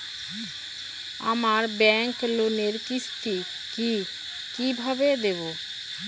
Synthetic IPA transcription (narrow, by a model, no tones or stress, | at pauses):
a̰maɾbɛŋkloneɾkisʈi | ki | kibʱabed̪ebo